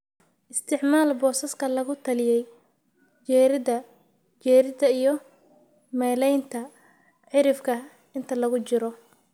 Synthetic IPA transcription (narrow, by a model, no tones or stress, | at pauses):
ʔɪst̪ʰɪʕmaːlbɔːsɐskʰɐlɐɣʊt̪ʰɐlɪjɛj | t͡ʃɛɾɪdɐ | t͡ʃɛːɾɪd̪ɐijɔ | mɛːlɛjnt̪ʰɐ | ħɪɾɪfkʰɐ | ɪnt̪ʰɐlɐɣʊt͡ʃɪɾɔ